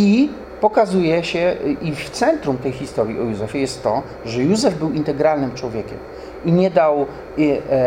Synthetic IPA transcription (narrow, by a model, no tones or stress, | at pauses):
i | pɔkazujɛɕɛʔift̪sɛnt̪ɾumt̪ɛjxʲist̪ɔɾʲjiɔjuzɛfʲɛjɛst̪ːɔ | ʐɛjuzɛvbɘwint̪ɛɡɾalnɘmt͡ʂwɔvʲjɛkʲɛ̰m | iɲɛd̪aw